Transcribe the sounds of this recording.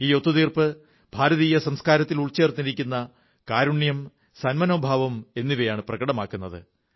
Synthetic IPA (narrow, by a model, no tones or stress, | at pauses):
iːjo̞t̪ːuðiːrpɨ | b̥ʱaːɾɐðiːjɐsɐmskaːɾɐt̪ːiluɭt͡ɕe̞ːrt̪ːiɾikʲːunːɐ | kaːɾuɳjɐm | sɐnmɐnoːbʱaːʋɐme̞nːiʋɐjaːɳɨprɐɣɐɽɐmaːkːunːɐðɨ̰